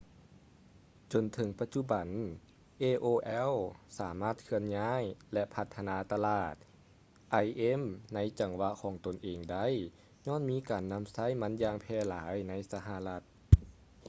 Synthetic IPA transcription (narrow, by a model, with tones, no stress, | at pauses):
t͡ɕo˨˩nt̪ʰɤ˨˦ŋpa˧t̪̚t͡ɕu˧˨ba˨˩n | ʔeː˧ʔoː˧ʔɛ˧˥˨wsaː˩˦maː˧˥˩t̪̚kʰɯ˧ənɲaː˧˥˨jlɛ˧pʰa˧˥t̪ʰːa˧naː˧˥t̪a˧laː˧˩t̪̚ | ʔa˧jʔe˧˥˨mna˧˥jt͡ɕa˨˩ŋwa˧kʰɔː˩˦ŋt̪o˨˩nʔeː˨˩ŋda˧˥˩j | ɲɔː˧˥˨nmiː˧˥˨kaː˨˩nːa˧˥msa˧˥˨jma˧˥njaː˧ŋpʰɛː˧˩laː˦jna˧˥jsa˧ɦa˧la˧t̪̚